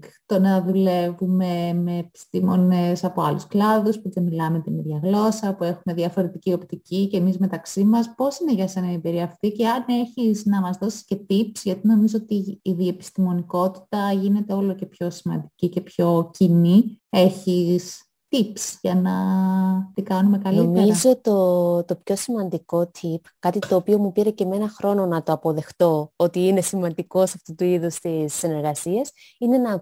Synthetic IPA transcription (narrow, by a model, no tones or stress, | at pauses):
kt̪o̞nɐðule̞vume̞meːpi̥st̪imo̞nesɐpo̞ɐlusklɐðuspuðemilɐmet̪iniðʝɐɣlo̞sɐpue̞xume̞ðjɐfo̞ɾe̞t̪icio̞pt̪icice̞mizme̞t̪ɐksimɐspo̞sine̞ʝɐse̞nɐiebiɾiɐːft̪ice̞ɐne̞çiznɐmɐzðo̞sisce̞t̪ipsʝɐt̪ino̞mizoot̪iiðie̞pi̥st̪imo̞niko̞t̪i̥t̪ɐʝine̞t̪e̞o̞lo̞ce̞pço̞simɐ̰nd̪icice̞pço̞cinie̞çis | t̪ipsʝɐnɐ | t̪ikɐnumekɐliomizo̞t̪o̞t̪o̞pço̞simɐnd̪iko̞t̪ʰipkɐt̪it̪o̞ːpio̞mupiɾe̞ce̞me̞nɐxɾo̞no̞nɐt̪o̞ɐpo̞ðe̞xt̪o̞ot̪iine̞simɐnd̪iko̞sɐft̪ut̪uiðust̪isːine̞ɾɣɐsiɐs | ine̞nɐ